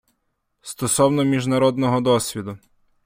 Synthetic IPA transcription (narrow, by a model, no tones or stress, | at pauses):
st̪ɔsɔwnɔmʲiʒnɐɾɔd̪nɔɦɔd̪ɔsʲʋʲid̪ʊ